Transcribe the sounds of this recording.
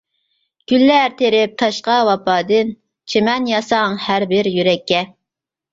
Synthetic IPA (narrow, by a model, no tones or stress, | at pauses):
ɡ̥ʲylːæɾt̪ʰeɾɪp̚t̪ʰɑʃqɑwɑpʰɑːd̪ɨn | t͡ʃʰemɛnjɑsɑŋhæɾbɪɾjyɾɛkʲʰːɛ